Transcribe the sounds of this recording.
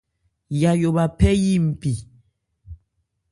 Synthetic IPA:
ja˨jo˨ba˨pɛ˦ji˦˨m̩˨pi˨

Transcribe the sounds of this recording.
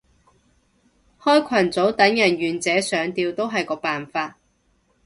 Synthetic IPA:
hɔː˥jkʷʰɐ˨˩nt͡so˨˥wt̪ɐ˨˥ŋjɐ˨˩njyː˨nt͡sɛː˨˥sœː˨˧ŋt̪iː˧wt̪o˥wɦɐ˨jkɔː˧paː˨nfaː˧t̚

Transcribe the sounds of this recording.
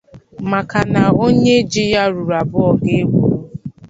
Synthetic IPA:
ma˨ka˨na˨o˦ɲe˦d͡ʒi˦ja˦ɾu˨ɾa˨bʊ˦ɔ˨ɡe˦ɡ͡bṵ˦˨˦

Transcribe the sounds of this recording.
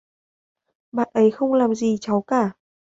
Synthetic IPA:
ɓa̰ː˧˨nʔə˨˦jxə˧wŋ͡mlaː˨˩mzi˨˩t͡ɕa˨˦wkaː˧˩

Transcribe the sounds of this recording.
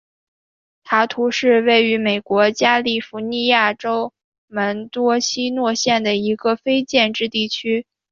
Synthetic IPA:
t̪ʰa˧˥t̪ʰu˧˥ʂɻ̩˥˧we˥˩ɪy˧˥me˨˩ɪkwɔ˧˥t͡ɕja˥li˥˩fu˧˥ni˥˧ja˥˩ʈ͡ʂo˥ʊ | mə˧˥nt̪wɔ˥ɕi˥nwɔ˥˧ɕjɛ˥˩nd̪ə˩i˧˥ɡə˧fe˥ɪt͡ɕjɛ˥˧nʈ͡ʂɻ̩˥˧t̪i˥˩t͡ɕʰy˥

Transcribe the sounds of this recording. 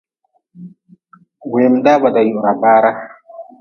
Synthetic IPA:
we˨mda˦ba˨da˨ju˨ɾa˨baː˦ɾa˦

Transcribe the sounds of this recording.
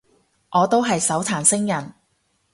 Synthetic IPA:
ʔɔː˨˧t̪o˥wɦɐ˨jsɐ˨˥wt̪ʰaː˨˩nsɪ˥ŋjɐ˨˩n

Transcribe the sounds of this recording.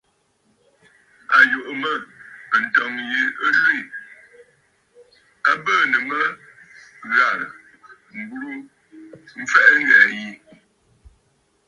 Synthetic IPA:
a˨jo˨ʔmə˦˨a˨n̩˨tɔ˨ŋji˨ə˦ʒʉ˦i˨ | a˦bəː˦˨nə˨mə˦ | ɣa˨ | ŋ̩˨ɡu˦ɾu˦ | m̩˦fɛ˦ʔŋ˦ɣɛ˨ji˨

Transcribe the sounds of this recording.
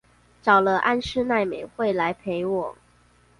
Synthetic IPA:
ʈ͡ʂɑ˨˩ʊlə˦ʔa̰˥˧nʂɻ̩˥˧na˥˩ɪme˨˩ɪxwe˥˩ɪla˧˦ɪpʰe˧˥ɪwɔ˨˩˦ŋ

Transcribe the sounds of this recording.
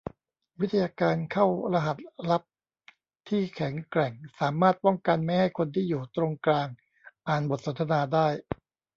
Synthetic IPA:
wi˦˥t̪ʰːa˧jaː˧kaː˧nkʰa˥˩wɾa˧ɦa˨˩t̪̚ɾa˦˥p̚ | t̪ʰiː˥˩kʰɛ˩˦ŋkɾɛ˨˩ŋsaː˩˦maː˥˩t̪̚pɔ˥˩ŋka˧nma˥˩jha˥˩jkʰo˧nt̪ʰiː˥˩juː˨˩t̪ɾo˧ŋklaː˧ŋ | ʔaː˨˩nbo˨˩t̪̚so˩˦nt̪ʰa˧naː˧daː˥˩j

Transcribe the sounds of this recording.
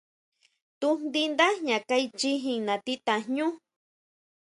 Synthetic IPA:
t̪u˦nnd̪i˦nd̪a˦ɲã˨ka˦jt͡ʃi˦ɦi˧ŋnã˨t̪i˦t̪a˨ɲũ˦

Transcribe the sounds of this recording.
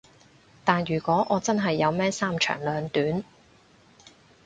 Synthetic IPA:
t̪aː˨njyː˨˩kʷɔː˨˥ʔɔː˨˧t͡sɐ˥nɦɐ˨jːɐ˨˧wmɛː˥saː˥mt͡ʃʰœ̰ː˨˩ŋlœː˨˧ŋt̪yː˨˥n

